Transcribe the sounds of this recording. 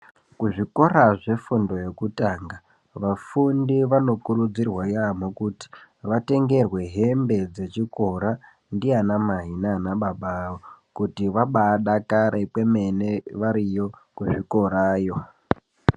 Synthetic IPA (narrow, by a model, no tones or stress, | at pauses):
kuʐiko̞raʐe̞fundo̞je̞kutaːŋɡa | ʋafundiʋano̞kurud͡zirwajamokuti̥ʋate̞ŋɡe̞rwe̞ɦembe̞d͡ze̞t͡ʃiko̞ɾa | ndianamaɦinanaɓaɓaːokutiʋaɓaɗakaɾe̞kwe̞me̞neʋaɾijo̞kuʐiko̞ɾaːjo̞